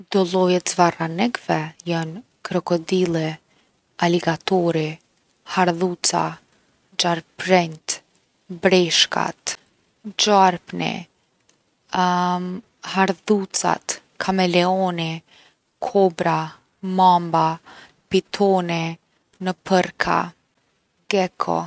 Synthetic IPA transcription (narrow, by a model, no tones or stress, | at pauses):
d̪ɔlˠɔjɛt̪zvaranɛkvɛjan | kɾɔkɔd̪ilˠi | aliɡat̪ɔɾi | haɾðut͡sa̰ | d͡ʒaɾpɾɛnt̪ | bɾɛʃka̰t̪ | d͡ʒaɾpnḭ | haɾðut͡sa̰t̪ | kʰamɛlɛɔni | kʰɔbɾa | mamba | pit̪ʰɔnɛ | nəpʰəɾkʰa̰ | ɡɛkʰɔ̰